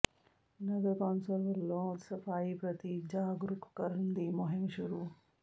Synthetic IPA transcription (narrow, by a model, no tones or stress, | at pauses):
nɐɡɐɾkaːnsɐɾʋɐɾlõːsɐfaːjipɾɐt̪id͡ʒaːɡɾuku̥kɐɾnd̪imoɦiŋʃuɾu